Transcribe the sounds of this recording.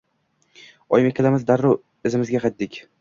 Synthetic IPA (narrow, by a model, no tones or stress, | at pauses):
ɒjɪmekʲʰɪlamɪzd̪aɾːʊ | ɪzɪmɪzɡʲaqʰɑjt̪̚d̪ɪkʲ